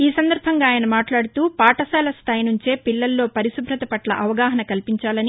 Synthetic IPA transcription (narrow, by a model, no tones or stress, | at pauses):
iːsɐnd̪ɐɾbʱɐŋɡaːjɐnɐmaːʈlaːɽut̪uːpaːʈɐsɛːlɐst̪ʰaːjinuɲt͡ʃe̞ːpilːɐlːo̞ːpɐɾisubʱɾɐt̪ɐpɐʈlɐ̰ʔɐʋɐɡaːɦɐnɐkɐlpiɲt͡ʃaːlɐni